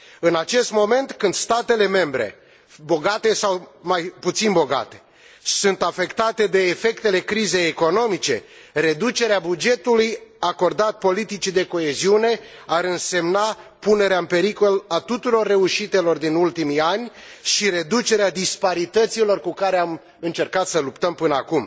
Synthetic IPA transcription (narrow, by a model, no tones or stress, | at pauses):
ɨnat͡ʃe̞st̪mo̞me̞nt̪kɨnd̪̥st̪at̪e̞le̞me̞mbɾe̞̰ | bo̞ɡat̪e̞sawmajput̪sinbo̞ɡa̰t̪e̞̥ | sunt̪afe̞kt̪at̪e̞d̪e̞ːfe̞kt̪e̞le̞kɾize̞jeko̞no̞mit͡ʃe̞̰ | re̞d̪ut͡ʃe̞ɾeabud͡ʒe̞t̪ulujako̞rd̪at̪̚po̞lit̪it͡ʃid̪e̞ko̞e̞ziune̞ | aɾɨnse̞mnapune̞ɾeaɨmpe̞ɾiko̞lat̪ut̪uɾo̞rːe̞uʃit̪e̞lo̞rd̪inult̪imianʲʃiɾe̞d̪ut͡ʃe̞ɾead̪ispaɾit̪ət̪silo̞rkukaɾeam | ɨnt͡ʃe̞rkat̪səlupt̪əmpɨnəakum